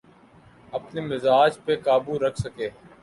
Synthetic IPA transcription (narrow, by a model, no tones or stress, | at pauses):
ɐpnemɪzaːd͡ʒpekaːbuɾɐkʰsɐkeː